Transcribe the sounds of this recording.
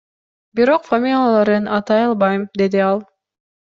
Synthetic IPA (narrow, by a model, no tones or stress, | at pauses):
biɾoqfamʲilʲjalˠɑɾɯnɑt̪ɑjɑlˠβɑjmd̪e̞d̪iɑlˠ